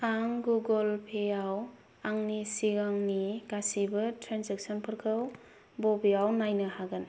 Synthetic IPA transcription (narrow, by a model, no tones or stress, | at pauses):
aŋɡuɡɔlpʰeaw | aŋnisiɡaŋniɡasibɐtɾanseksɔnpʰɯɾkʰɯw | bɔbijawnajnɐhaɡɯn